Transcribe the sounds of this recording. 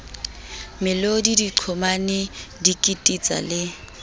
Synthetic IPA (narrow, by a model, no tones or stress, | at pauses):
mɪlodidiǃʰɔmanɪdikʼitʼit͡sʼa̰lɪ